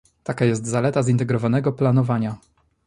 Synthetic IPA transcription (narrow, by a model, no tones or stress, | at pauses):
t̪akajɛs̬t̪zalɛt̪azint̪ɛɡɾɔvanɛɡɔplanɔvaɲa